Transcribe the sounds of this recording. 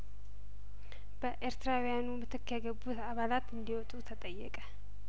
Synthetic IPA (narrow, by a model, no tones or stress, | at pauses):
b̥əʔeɾt̪ɨɾawijanumɨt̪ʰɨkːjaɡəbːut̪aβalat̪ɨnd̪iwɔt̪ʼut̪ʰət̪ʼəjːɛ̰kʼə